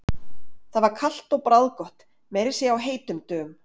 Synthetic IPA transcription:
θaðvaɾkʰal̥t̪ɔɣpɾawðkɔht̪ | mɛɾɪ̥sjɛawɦeːjt̪ʏmt̪œːm

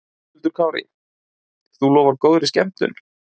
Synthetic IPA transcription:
t̪ʏɾkʰawɾḭ | θulɔːvaɾkoːwðɾɪscɛ̰m̥t̪ʏ̰n

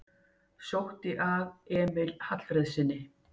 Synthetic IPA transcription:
sjowht̪ɪʔavɛːmɪlhat̪l̥fɾeðsɪnːɪ

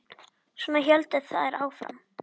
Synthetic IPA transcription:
sɔːnaçɛlt̪ɪ̥θa̰ðɛɾʔaːwfɾa̰m

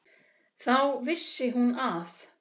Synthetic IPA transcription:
θawvɪsːɪɦunaθ

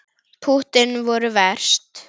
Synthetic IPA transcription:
pʰut̪ɪnvɔɾʏvɛr̥st̪

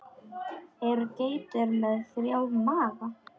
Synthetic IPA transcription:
ɛɾkejt̪ɛɾmɛðθɾjawmaːða

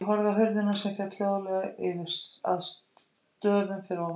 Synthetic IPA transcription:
ɦɔɾðaɦœɥɾðɪnasɛmfjat̪ʰljoːwðalɛɣaɪvɪɾ̥sa̰ðs | t̪œːvʏmfɪɾɔ

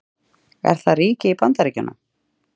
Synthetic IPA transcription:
ɛ̰ɾ̥θariːcɪipant̪aɾiːcʏnːa̰

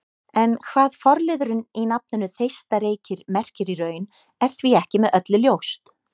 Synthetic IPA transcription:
ɛnkʰvaːðfɔɾlɪðʏɾʏninap̚nʏnʏθejst̪aɾeːjcɪɾmɛr̥cɪɾiɾœːɥn | ɛɾ̥θviɛhcɪmɛðœt̪lʏljowst̪

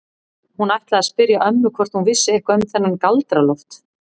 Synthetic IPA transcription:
hunajht̪laaspɪɾjaʔœmnʏkʰvɔr̥t̪hunvɪsːɪɛhkaœmθɛnːankalt̪ɾalɔht̪

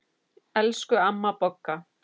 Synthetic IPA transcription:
ɛlskʏamːapɔkːa

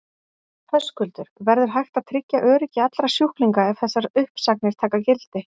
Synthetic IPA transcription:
fʰœskʏlt̪ʏɾ̥vɛɾðʏɾ̥ɦajxt̪aðt̪ʰɾɪcːaʔœːɾɪcːɪat̪lɾḁsjuhkliŋkaɛvθɛsːaɾʏhpsaknɪɾ̥t̪ʰaːkacɪlt̪ɪ

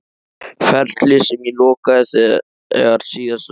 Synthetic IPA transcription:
fɛɾt̪lɪsɛmilɔːkaθɛ | ɛ̰aɾsiːas

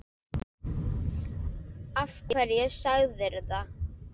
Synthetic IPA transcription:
afcɪɛɾjɛɣsaɣðɪɾða

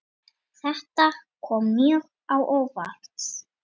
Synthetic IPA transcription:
θɛht̪akʰɔːmːjœːɣ | awʔowva̰lt̪s

